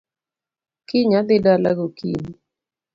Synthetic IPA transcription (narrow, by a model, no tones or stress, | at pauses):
kɪɲad̪ɪdala̰ɡokḭni